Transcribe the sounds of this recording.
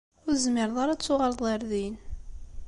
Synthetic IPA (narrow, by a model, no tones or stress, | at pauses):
ʊɾzmɪɾðˤaɾat͡sːʊʁəɾˤðˤəɾðin